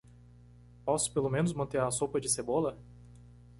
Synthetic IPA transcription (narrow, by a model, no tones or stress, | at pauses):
pɔsʊ̥pelomẽnʊzmɐ̃nt̪eɾɐsowpɐd͡ʒɪsebolɐ